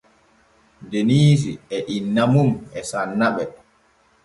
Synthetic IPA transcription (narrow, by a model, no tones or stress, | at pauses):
deniːs̬iɛʔinːamumɛsanːaɓɛ